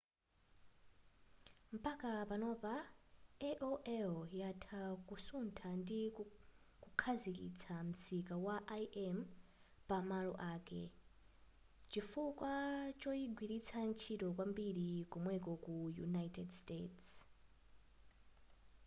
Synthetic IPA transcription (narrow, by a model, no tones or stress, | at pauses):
m̩pakapanɔpaɛʔoʔɛljatʰakusuntʰandi | kukʰazikḭt͡sʰam̩sikawaʔajʔɛm | pamalɔʔaːkɛ̰ | t͡ʃifukwat͡ʃɔiɡwiɾit͡sʰant͡ʃʰitɔkwambiɾikɔmwɛkɔkujṵnajtɛdstḛts